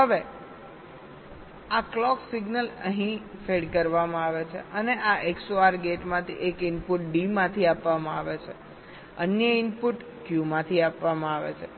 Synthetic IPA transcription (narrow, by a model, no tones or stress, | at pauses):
ɦəʋe | aklɔksiɡnələɦĩfeɖkəɾʋamãaʋet͡ʃʰḛʔəneʔaʔeksoaɾɡeʈmãt̪ʰḭʔekɪnpuʈ̚ɖimãt̪ʰiapʋamãaʋet͡ʃʰe | ənjəɪnpuʈ | kjumãt̪ʰiapʋamãaʋḛt͡ʃʰe